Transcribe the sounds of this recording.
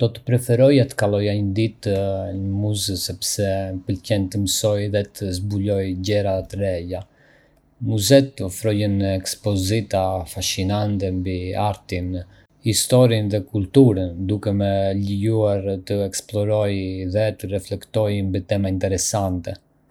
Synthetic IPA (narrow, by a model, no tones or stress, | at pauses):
d̪̥ɔt̪ə̥pɾɛfɛɾɔjat̪ə̥kalˠɔjaɲəd̪it̪ɲəmuzəsɛpsɛpəlcɛnt̪əməsɔjðɛt̪əzbulɔjɟɛɾat̪əɾɛja | muzɛt̪ɔfɾɔjənɛkspɔzit̪afaʃinant̪ɛmbiaɾt̪in | hist̪ɔɾinðɛkult̪uɾənd̪ukɛmɛləjuaɾt̪əɛksplɔɾɔjðɛt̪ərɛflɛkt̪ɔjmbit̪ɛmaint̪ɛɾɛsant̪ɛ